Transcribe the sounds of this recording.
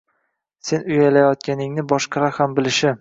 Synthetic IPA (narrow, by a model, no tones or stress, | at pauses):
se̞nʊjalajɒt̪̚kʲanɪŋnɪbɒʃqʰɑɾahambɪlɪʃɪ